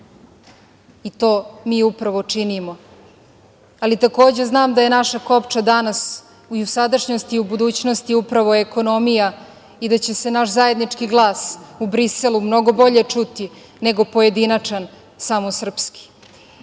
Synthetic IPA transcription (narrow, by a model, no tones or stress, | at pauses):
it̪o̞ːmiːupɾaʋot͡ʂinimo̞ | alit̪ako̞ːd͡ʑe̞znaːmd̪aje̞naʃako̞pt͡ʃad̪anas | iusad̪aʃɲost̪iubud̪uːt͡ɕnost̪iupɾaʋo̞eko̞no̞mija | id̪at͡ɕese̞naʃzaje̞d̪nit͡ʂkiɡlˠaːsubɾiselumno̞ɡo̞bo̞ʎe̞t͡ʂut̪i | ne̞ɡo̞po̞je̞d̪inat͡ʂan | samosr̩pski̥